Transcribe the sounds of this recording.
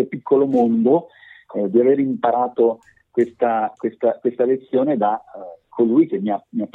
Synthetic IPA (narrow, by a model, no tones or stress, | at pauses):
epikʰːolomond̪o | d̪iaveːɾimpaɾaːt̪o | kwest̪akwest̪akwest̪alet̪sːjoːned̪akʰːolujk̟emːiamiapː